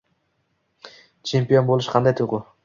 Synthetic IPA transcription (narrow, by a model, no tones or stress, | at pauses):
t͡ʃʰe̞mpio̞nbolˠɪʃqʰɑnd̪ajt̪ʰʊjqʊ